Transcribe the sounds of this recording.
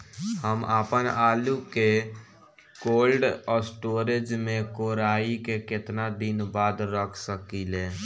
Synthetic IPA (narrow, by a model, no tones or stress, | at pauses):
həmaːpənaːluke | koːlɖɔːɾsʈoːɾed͡ʒmẽkoːɾaːikekɪt̪nad̪ɪnbaːd̪ɾəkʰsəkileː